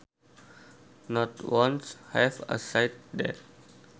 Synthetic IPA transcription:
nɔʈwɔ̃nshɛvə̰saɪʈ̚d̪ɛ̰ɾ

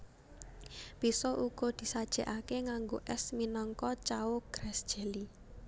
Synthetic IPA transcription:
pisɔʔuɡ̥ɔ̤d̪̥i̤sad̥ʒ̥ɛ̤ʔakeŋaŋɡoʔɛsminɔŋkɔt͡ʃaoɡ̥ɾɛsd̥ʒ̥ɛ̤li

